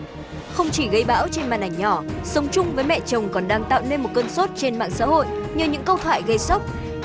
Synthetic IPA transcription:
xə˧wŋ͡mt͡ɕi˧˩ɣə˨˦jɓa̰ː˧˥wt͡ɕe˧nma̰ː˨˩nʔa˨˩jŋ̟ɲɔ˧˩sə˨˦wŋ͡mt͡ɕʊ˧ŋ͡mvəː˨˦jmɛ̰˧˨t͡ɕə˨˩wŋ͡mkɔ˨˩nɗaː˧ŋt̪a̰ː˧˨wne˧nmo˨˩t̚kəː˧nso˦˥t̚t͡ɕe˧nma̰ː˧˨ŋsa̰ː˧˥ho̰˧˨jʔɲɨ˧ɲɨ̰˧˥ŋkə˧wt̪ʰwa̰ː˧˨jɣə˧jsə˦˥k͡p̚

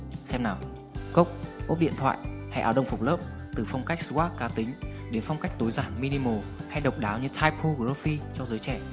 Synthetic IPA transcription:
sɛ˧mnaː˨˩w | kə˦˥wk͡p̚ʔo˦˥p̚ɗḭ˧˨ət̪ʰwa̰ː˧˨jha˧jʔaː˧˩wə˧wŋ͡mfʊ˨˩k͡p̚ləː˦˥p̚ | t̪ɨ˨˩fɔ˧wŋ͡mka˦˥jk̚sɨ˧˦ʔaː˦˥kaː˧t̪ï˨˦ŋ̟ | ɗe˨˦nfwŋ͡mka˦˥k̚t̪o˨˦jzaː˧˩nmi˧ni˧mo˨˩ha˧jɗə˨˩wk͡p̚ɗaː˨˦wɲɨ˧t̪ʰaː˧jpʰo˧ɣəː˦˧fi˧t͡ɕɔ˧zəː˨˦jt͡ɕɛ˧˩

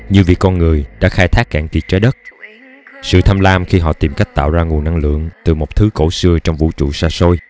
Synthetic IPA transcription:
ɲɨ˧vi˨˩əkːɔ˧nŋɨ˨˩əjɗa̰ː˧˥xaː˧jt̪ʰaː˦˥k̚ːa̰ː˧˩ŋt̪i˨˩t̚t͡ɕa˨˦jɗə˦˥t̚ | sɨ̰˧˨t̪ʰa˧mlaː˧mxi˧ɦɔ̰˧˨t̪i˨˩mka˦˥jk̟̚t̪a̰ː˧˨wzaː˧ŋu˨˩ənːa˧ŋlɨ̰˧˨əŋt̪ɨ˨˩mo˨˩k͡p̚t̪ʰɨ˨˦ko̰˧˥sɨ˧ət͡ɕɔ˧wŋ͡mvṵ˧˥t͡ɕṵ˧˨saː˧so˧j

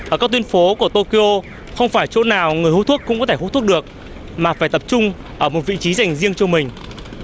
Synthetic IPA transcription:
ʔəː˧˩kaː˦˥t̪wi˧ə˧nfo˨˦ku˧˩ət̪o˧ki˧ʔo˧ | xə˧wŋ͡mfaː˧˩jt͡ɕo̰˧˥naː˨˩wŋɨ˨˩əjhu˧˥t̪ʰu˦˥t̚kʊ̰˧˥ŋ͡mkɔ˨˦t̪e˧˩hṵ˧˥t̪ʰu˦˥ɗɨ˨˩ək̚ | maː˨˩faː˧˩jt̪ə˨˩p̚t͡ɕʊ˧ŋ͡m | ʔəː˧˩mo˨˩t̚vḭ˧˨t͡ɕi˨˦za˨˩jŋ̟zi˧əŋt͡ɕɔ˧mï˨˩ŋ̟

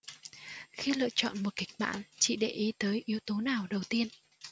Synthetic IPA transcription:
xi˧lɨ̰˧˨ət͡ɕɔ̰˧˨nmo˨˩t̚kï˨˦˩k̟̚ɓa̰ː˧˨nt͡ɕḭ˧˨ɗe˧˨˩ʔi˨˦t̪əː˨˦jʔi˨˦əwt̪o˨˦naː˨˩wɗə˨˩wt̪i˧ən

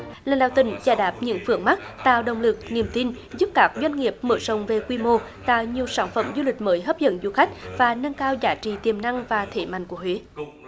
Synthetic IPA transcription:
laː˨˩ɗa̰ː˧˨wt̪ï˧˨˩ŋ̟zaː˧˩jɗaː˨˩p̚ɲɨ̰˧˥ŋfɨ˨˧˩əŋma˦˥k̚t̪a̰ː˧˨wɗə˨˩wŋ͡mlɨ˨˩k̚ni˨˩əmt̪i˧n | zu˦˥p̚kaː˦˥k̚zwa˧jn̟ŋi˨˩əp̚məː˧˨˦sə˨˩wŋ͡mve˨˩kwi˧mo˧ | t̪a̰ː˧˨jɲi˨˩əwsaː˧˩nfə̰˧˩mzu˧lï˨˩k̟̚məː˨˦jɦəː˦˥p̚zə̰˧˥nzu˧˩xa˦˥jk̟̚vaː˨˩nə˧ŋkaː˧wzaː˨˦t͡ɕḭ˧˨t̪i˨˩əmna˧ŋvaː˨˩t̪ʰe˧˩˦ma̰˧˨ŋku˧˩əhwe˨˦

